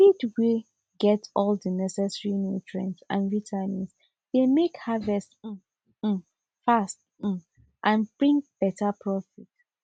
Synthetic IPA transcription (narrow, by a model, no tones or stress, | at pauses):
fidwi | ɡɛtɔldənɛsɛsɹinutʰɹɛ̰̃nsã̰nɹitʰanĩs | d̥emekhavɛst̩ | fast̩̚ | ʔãnb̥ɹĩŋk̚b̥ɛtʰapʰɹɔfit